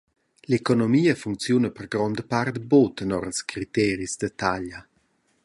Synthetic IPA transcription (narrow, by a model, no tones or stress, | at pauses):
lekonomiːəfuŋkt͡sjunəpərɡɾɔnd̪əpart̪bot̪nɔɾəskɾit̪ɛːɾisd̪ət̪aʎa